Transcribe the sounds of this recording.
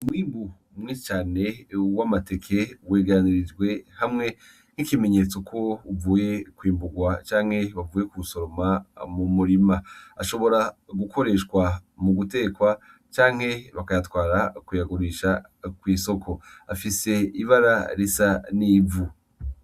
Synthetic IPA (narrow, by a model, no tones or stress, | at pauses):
mwiːmbu | mŋit͡ʃaːne̞wamate̞kʰe̞weːɡaniɾid͡ʒɡwe̞hamŋe̞ | n̥ikime̞ɲet͡so̞kʰo̞uvuːje̞kwiːmbuɡwat͡ʃaːŋhe̞βavuːje̞kuuso̞ɾo̞mamumuɾimaaʃo̞βo̞ɾaɡukʰo̞ɾe̞ʃkwamuɡute̞kwa | t͡ʃaːŋhe̞βakajatwaːɾakwujaɡuɾiʃa | kwiːso̞kʰo̞afise̞iβaɾa̰ɾisaniːvu